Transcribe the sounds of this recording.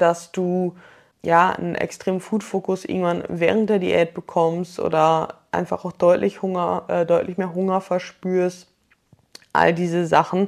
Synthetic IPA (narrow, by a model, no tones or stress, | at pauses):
d̥asd̥uː | jaːnə̰nʔɛ̰kstʁ̥eːmnfuːtfoːkʊsʔɪ̰ŋ̩tv̥anvɛːʁ̞əntd̥eːɐdḭːʔɛɐt̚b̥əkʰɔmstʔo̰ːdɐʔa̰ɪnfaχaʊxd̥ɔʏtlɪçhʊŋɐʔɛdɔʏtlɪçmeːɐɦʊŋɐfɛɐʃpyːɐst | ʔa̰ldiːzəzaχn̩